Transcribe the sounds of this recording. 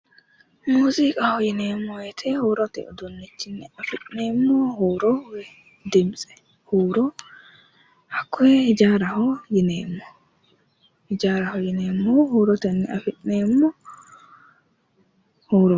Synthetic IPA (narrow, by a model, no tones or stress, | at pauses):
muzikʼahɔjinɛmːɔwɛtʰɛhɔɾɔtɛ̰ɔdonːit͡ʃːinːɛafiɗnɛmːɔhɔːɾɔwɛ | dɛmsʼɛ̥ | hoɾɔ | hakʰːɔɛhid͡ʒaɾahɔjinɛːmːɔ | hid͡ʒaɾahɔjinɛmːɔhɔɾɔtɛnːɛafiɗnɛmːɔ | hɔɾɔ